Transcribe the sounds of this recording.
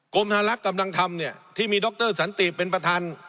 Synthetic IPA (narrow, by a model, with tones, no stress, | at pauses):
ko˧mt̪ʰaː˧la˦˥ka˧mla˧ŋt̪ʰa˧mni˥˩ɐt̪ʰiː˥˩miː˧dɔ˦˥k̚t̪ɤː˥˩sa˩˦nt̪iː˨˩pːe˧npɾa˧t̪ʰaː˧n